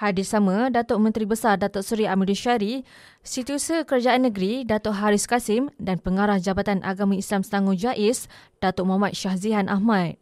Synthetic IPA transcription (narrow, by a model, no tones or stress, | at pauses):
hadisamãdat̪oʔmə̃nt̪ɾibəsardat̪ʊʔsuɾiamiduʃaɾi | sit̪usəkəɾad͡ʒaʔanːə̃ɡɾidat̪oʔɦaɾɪskasɪmdanpəŋaɾahd͡ʒabat̪anʔa̰ɡamĩislamsəlaŋũd͡ʒaʔɪsd̥at̪ʊʔmamãt̪̚ʃahziɦanʔa̰ɦmãt̪̚